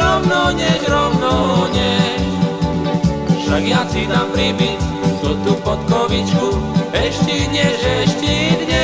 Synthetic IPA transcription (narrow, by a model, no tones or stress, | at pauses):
ɾɔmnɔɲɛʒɾɔwnɔɲɛ | ʃaɡɪjat͡sinapɾibit | t̪ut̪upɔt̪kɔʋit͡ʃkuɛʃciɲɛʒɛʃcid̪ɲɛ